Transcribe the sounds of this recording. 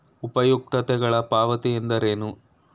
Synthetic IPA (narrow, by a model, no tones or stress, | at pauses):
upɐjuk̚t̪ɐt̪ɛɡɐɭɐpaːʋɐt̪iend̪ɐɾeːnu